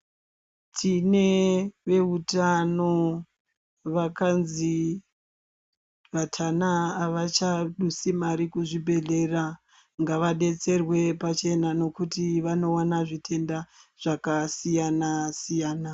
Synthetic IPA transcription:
tʰine̞ʋe̞utano̞ | ʋakanzi | ʋatʰanaːʋat͡ʃaɗusimaɾikuʐibʱe̞ɮe̞ra | ŋɡaʋaɗe̞t͡se̞rwe̞pat͡ʃe̞nano̞kutiʋano̞wanaʐitʰe̞ndaʐ̥akasijanasijaːna

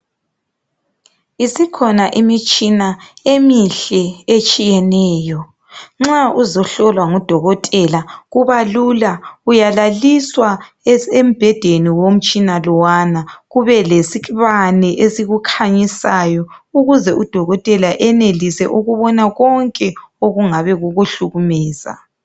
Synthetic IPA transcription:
isikʰɔnaʔimit͡ʃʼinaemiɬɛet͡ʃʼijɛnɛːjɔ | ŋ͡ǁauzɔɬɔlwaŋud̥ʱɔɣɔtʼɛlaɣuβalulaujalaliswa | em̩b̥ʱɛd̥ʱeniwom̩t͡ʃʼinalɔwanaɣuβɛlesiβanɛʔesiɣukʰaɲisajɔuɣuzɛʔud̥ʱɔɣɔtʼɛlaʔɛnelisɛʔuɣuβɔnaɣɔŋkʼɛoɣuŋaβɛɣuɣuɬuɣumɛːz̥a̰

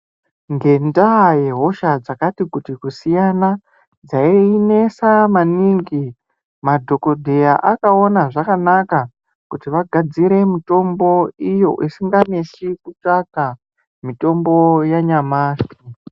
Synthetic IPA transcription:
ŋɡe̞ndaje̞ɦo̞ʃad͡zakatikutikusijana | d͡zaiine̞samaniŋɡi | madʱo̞ko̞dʱe̞jaʔakao̞naʐakanaka | kutiʋaɡʱad͡ziɾe̞mito̞mbo̞ijo̞̰ʔisiŋɡane̞sikut͡ʂaka | mito̞mbo̞jaɲamaːsi

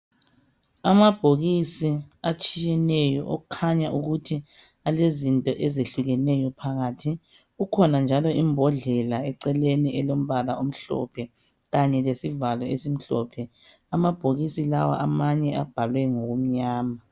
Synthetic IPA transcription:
amab̥ʱoɣisiat͡ʃʼijɛnɛjɔ̰ʔo̰ukʰaɲaʔuɣutʰi | alezintʼɔʔɛzeɬuɣɛnɛjɔpʰaɣatʰi | ɣukʰɔnand͡ʒʱalɔimbʱɔɮɛlaɛǀɛleniʔɛlom̩βalaom̩ɬɔ̰pʰɛ | ɣaɲɛlesivalwɔesim̩ɬɔ̰pʰɛ | amab̥ʱoɣisilawa̰ʔamaɲɛab̥ʱalwɛŋoɣum̩ɲaːma

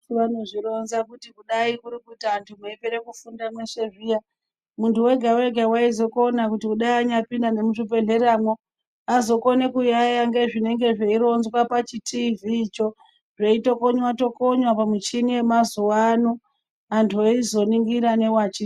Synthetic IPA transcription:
anoʐiɾonzakutikuɗaikuɾikutaːntʰumeipeɾekufundamwe̞ʂe̞ʐija | muntʰuwe̞ɡʱawe̞ɡʱawaizo̞ko̞nakutikuɗaiaɲapindane̞muʐipe̞ɮe̞ɾaːmwo | azo̞ko̞nekujajaŋɡe̞ʐine̞ŋɡe̞ʐeiɾo̞nzwapat͡ʃitʰiviːt͡ʃo̞ | ʐeito̞koɲwato̞koɲwapamut͡ʃinie̞mazuwano | antʰuoizo̞niŋɡiɾane̞wat͡ʃi

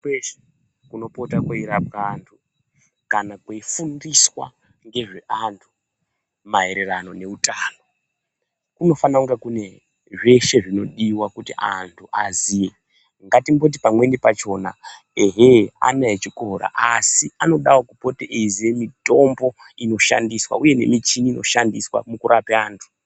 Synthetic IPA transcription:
kuno̞po̞takwaiɾab̚antʰu | kanakweifundiswa̰ | ŋɡe̞ʐe̞ʔantʰu̥ | maɦe̞ɾe̞rano̞ne̞utaːno̞ | kuno̞fanauŋɡekune̞ | ʐe̞ʃe̞ʐino̞ɗiwakutiʔa̰ntʰuʔazije | ŋɡatimbo̞t̬ipamwe̞nipat͡ʃo̞na̰ | eɦea̰naet͡ʃiko̞ɾa̰ʔasiano̞ɗawokupo̞teʔeziemito̞mbo̞ | ino̞ʃa̰ndiswa̰uje̞ne̞̰mit͡ʃiniːno̞̰ʃandiswa̰mukuɾʔapeaːntʰu̥

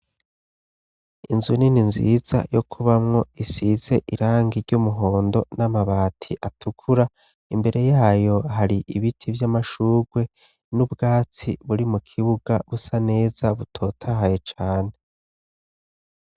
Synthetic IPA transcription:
ḭnzunininzḭza̰jo̞kʰuβamŋo̞isize̞ʔiɾaːŋɡiɾɟumuɦo̞ːndo̞namaβaːtʰiʔatʰukʰuɾa | imbe̞ɾʔe̞jaːjo̞ɦaɾiʔiβitʰivjamaʃuːɡwe̞ | nubɡaːt͡siβuɾimukʰiβuɡ̥aβusane̞ːz̥aβutʰo̞ːtʰahaje̞t͡ʃaːne̞

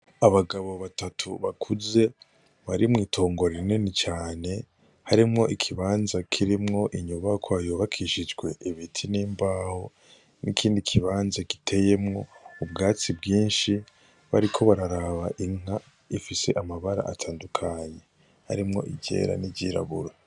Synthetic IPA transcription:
aβaɡaβo̞βatatʰuβakʰuze̞ | βaɾimŋiːtʰo̞ːŋɡo̞ɾeɾnenit͡ʃaːne̞ | haɾimŋo̞ʔikʰiβaːnzakʰiɾimŋo̞ʔiɲuβakʰwaajoβakʰiʃid͡ʒɡwe̞ʔiβitʰiniːmbaːho̞ | nikʰiːndikʰiβaːnzaki̥tʰe̞je̞mŋo̞ub̚ɡaːt͡sibɡiːnʃi | βa̰ɾikʰo̞βaɾaɾaβaʔiŋ̥a | ifise̞ʔamaβaɾa̰ʔatʰaːndukʰaːɲe̞ | ha̰ɾimŋo̞̰ʔiɟe̞̰ːɾa̰niɟiːɾa̰βṵɾa

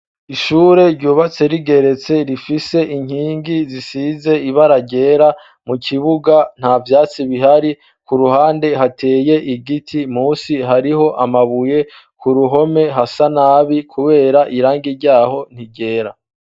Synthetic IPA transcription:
iʃuːɾe̞ɾɟuːβat͡se̞ɾiɡe̞ɾe̞t͡se̞ɾifise̞ʔiŋ̥hiːŋɡizisize̞iβaɾaɟe̞ːɾa | mukʰiβuɡan̥havjaːt͡siβiɦaɾi | kuɾuhaːnde̞ɦatʰe̞ːje̞ʔiɡitʰimuːsiɦaɾiho̞ʔamaβuje̞ | kuɾuɦo̞me̞ɦasanaːβikʰuβe̞ːɾaʔiɾaːŋɡiɾɟaːɦo̞n̥iɟe̞ːɾa

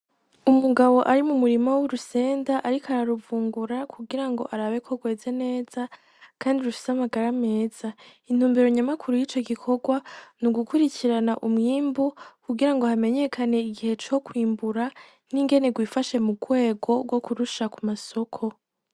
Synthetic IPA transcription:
umuɡawo̞ʔaɾimumuɾimawoɾuse̞ːndaʔaɾikaɾaɾuvuːŋɡuɾakʰuɡiɾaŋɡo̞̰ʔaɾaβe̞kʰo̞ɡwe̞ːze̞ne̞ːz̥a | kʰaːndiuɾufi̥samaɡaɾame̞ːz̥ain̥uːmbeɾoɲamakʰuɾujiːt͡ʃo̞ɡikʰo̞ɡwanuɡukuɾiciɾanaʔumŋiːmbukuɡiɾaŋɡo̞hame̞ɲe̞kʰane̞iɡihe̞t͡ʃo̞kwiːmbuɾa | niŋɡe̞ne̞ɡwiːfaʃe̞muɡwe̞ːɡo̞ɡwo̞kuɾuʃakumaso̞kʰo̞

